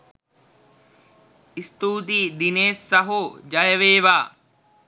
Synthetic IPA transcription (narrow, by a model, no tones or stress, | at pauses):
ist̪uːt̪id̪ineːsːɐɦud͡ʒɐjɐʋeːʋaː